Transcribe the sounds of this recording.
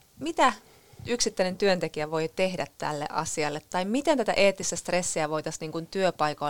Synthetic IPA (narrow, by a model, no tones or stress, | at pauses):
mit̪æ | yksit̪ːæjne̞nt̪yønt̪e̞kiæʋo̞jt̪e̞hdæt̪ːæ̰lːḛʔɑ̰siɑlːet̪ːɑjmmit̪e̞nt̪æt̪æ̰ʔeːt̪ːˑist̪æst̪re̞sːiæʋo̞jt̪ɑsniːŋkunt̪yøpɑjko